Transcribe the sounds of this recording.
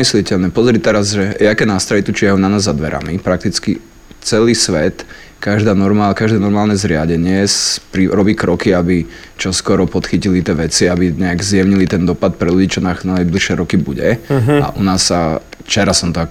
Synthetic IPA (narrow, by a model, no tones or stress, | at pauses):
islɪicɛʎnɛpɔzɾit̪ɛɾazʒɛjɛakɛnast̪aʋit̪ut͡ʃɪaɦɔʊnanaːzːad̪ʋɛ̰ɾa̰mipɾak̚t̪it͡skḭ | t͡sɛliːsʋɛt̪ | kaʒd̪aːnɔɾmaːlkaʒd̪ɛːnɔɾmaːlnɛzɾɪaɟɛɲɪɛspɾiɾɔbiːkɾʔɔkiabi | t͡ʃɔskɔɾɔpɔt̪xicilit̪ɪɛʋɛt͡siabiɲɛaɡzjɛʋɲilit̪ɛnd̪ɔpat̪̚pɾɛluɟiːt͡ʃɔnananajbliʃɛɾɔkibuɟɛa̰ʔunaːsːaft͡ʃɛɾasɔmt̪ɔak